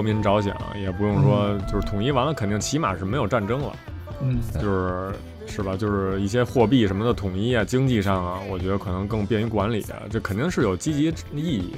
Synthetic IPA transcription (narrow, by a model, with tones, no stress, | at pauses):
mi˧˥nʈ͡ʂɑ˧˥ʊɕjɛ̰˨˩˦nɐ̰˩jɛ˨˩pu˧˥jʊ˥˩ŋʂwɔ˥t͡ɕjo˥˧ʊʂ̩˥˩t̪ʰʊ˨˩ŋi˥˩wa˧˥nə˧˩kʰə˨˩nt̪i˥˩ŋt͡ɕʰi˧˥ma̰˨˩ʂɻ̩˥˩me˧˥ɪjo˨˩ʊʈ͡ʂa˥˩nʈ͡ʂɤ˥ŋlə̰˨˩ | t͡ɕo˥˧ʊʂɻ̩˥˩ | ʂɻ̩˥˩bə˩t͡ɕjo˥˧ʊʂɻ̩˥˧i˥˩ɕ̬jɛ˥xwɔ˥˧p̬i˥˩ʂə˧˥nmə˧d̪ə˨t̪ʰʊ˨˩ŋi˥˩jɐ˨t͡ɕi˥ŋt͡ɕi˥˧ʂɑ˥˩ŋɐ˩wɔ˨˩t͡ɕɥɛ˧˥ə˧kʰɤ˨˩nɤ˧˥ŋkɤ˥˧ŋpjɛ˥˧ny˧˥˩kwa˧˥nlḭ˨˩˦ɐ̰˦ʈ͡ʂɤ˥˩kʰə˨˩nt̪i˥˧ŋʂɻ̩˥˩jo˨˩ʊt͡ɕi˥t͡ɕi˧˥ | i˥˧i˥˩